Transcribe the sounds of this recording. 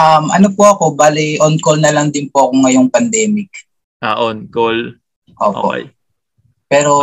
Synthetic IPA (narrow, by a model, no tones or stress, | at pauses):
ʔɐmʔɐnopoɐko̞baːlɪʔonkolnɐlɐŋd̪ɪnpoʔɐkoŋɐjoŋpɐnd̪ɛːmɪk̚ | ʔaʔonkol | ʔo̰ːʔo̰po̰ | pɛːɾo̞